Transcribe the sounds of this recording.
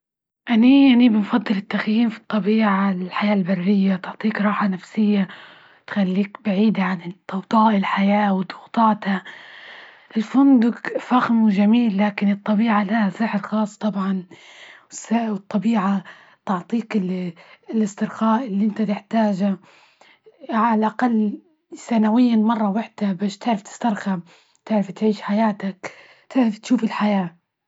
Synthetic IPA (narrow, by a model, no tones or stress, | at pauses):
ʔanianibɪnfɑd̪ˤːɨlɪt̪ːaxjiːmfi̥t̪ˤːɑbiːʕaɪlħajaːlbarːɪjːat̪ʊʕt̪ˤiːkɾˤɑːħanafsɪjːa | t̪xalːiːkbaʕiːd̪aʕant̪ːɑwt̪ˤɑːʔɪlħajaːwd̪ˤʊɣt̪ˤɑːt̪ha | ʔɪlfʊnd̪ʊɡfaɣmwʒamiːlːaːkɪnɨt̪ˤːɑbiːʕalahasɪħɾxɑːsˤt̪ˤɑbʕɑn | ɪsawt̪ˤːɑbiːʕa | t̪ɑʕt̪ˤiːkɪ | lɪst̪ɪɾxaːʔɪlːiʔɪnt̪at̪ɪħt̪aːʒa | ʕaalʔaqalː | sanawɪjːamɑrˤːɑwaħd̪̥abaːʃt̪ɪʕɾɪft̪ɪ̥st̪ɑɾˤxam | t̪ɪʕɾɪft̪ʕiːʃħajaːt̪ak | t̪ɪʕɾɪft̪ʃuːfɪlħajaː